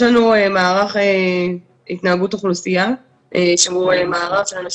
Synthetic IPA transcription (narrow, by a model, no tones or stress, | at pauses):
lanuemaːʁaχe | it̪naaɡut̪oχlusija | eʃamuemaːʁafʃelanaʃ